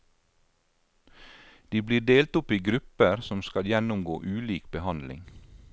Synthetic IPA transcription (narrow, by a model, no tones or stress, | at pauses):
d̪̥iːbliːɖeːlt̪ʊpiːɡɾʉpəɾsɔmskɑljɛnʊmɡo̰ːʔʉːliːkbəhɑnlɪ̰ŋ